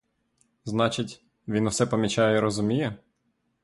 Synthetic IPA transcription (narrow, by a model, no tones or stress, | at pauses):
znɑt͡ʃɪtʲ | ʋʲinuwsɛpɔmʲit͡ʃɑjɛiɾɔzʊmʲijɛ